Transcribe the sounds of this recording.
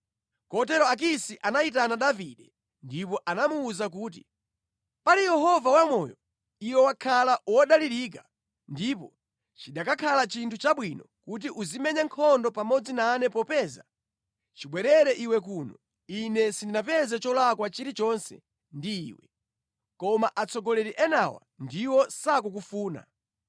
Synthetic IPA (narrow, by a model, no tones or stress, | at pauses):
kɔtɛɾɔak̬isiʔanait̬anaɗaviɗɛ | ndipɔʔanamuːzak̬uːtḭ | palijɛɦɔvawamɔːjɔ | iwɛwakʰalawɔɗaliɾik̬a | ndipɔ | t͡ʃiɗakakʰalat͡ʃintʰut͡ʃaɓwinɔkut̬iʔuzimɛɲaŋkʰɔndɔpamɔd͡zinaːnɛpɔpɛːza | t͡ʃiɓwɛɾɛɾɛʔiwɛk̬uːnɔ | inɛsindinapɛzɛt͡ʃɔlakwat͡ʃiɾit͡ʃɔnsɛ̰ | ndiiːwɛ̰ | kɔmaʔat͡sʰɔɡɔlɛɾiʔɛnawa̰ndiwɔsak̬uk̬ufuːna̰